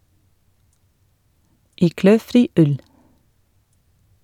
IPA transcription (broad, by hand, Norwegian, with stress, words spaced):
ˈiː ˈkløːˌfɾiː ˈʉl